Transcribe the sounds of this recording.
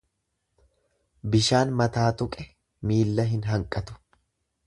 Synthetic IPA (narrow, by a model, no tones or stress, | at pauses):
bɪʃaːnmɐt̪aːt̪ʊkʼɛ | miːlːɐɦɪnɦɐŋkʼɐt̪ʊ̥